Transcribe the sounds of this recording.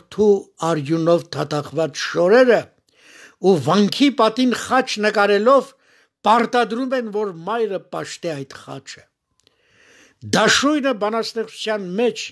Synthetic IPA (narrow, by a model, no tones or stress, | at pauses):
t̪ʰuɑɾjunɔvt̪ʰɑt̪ʰɑχvɑt͡sʃɔɾɛɾə | uvɑŋkʰipɑt̪inχɑt͡ʃʰnəkɑɾɛlɔv | pɑɾt̪ɑd̪ɾumɛnvɔɾmɑjɾəpɑʃt̪ɛɑjt̪χɑ̰t͡ʃʰə̥ | d̪ɑʃujnəbɑnɑst̪ɛχʰu̥t͡sʰjɑnmɛt͡ʃʰ